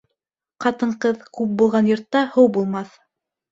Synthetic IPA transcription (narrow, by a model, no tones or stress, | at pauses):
qɑt̪ɤ̆ɴqɤðkʉp̚bulˠʁɑnjŏɾt̪ːɑhɤwbulˠmɑθ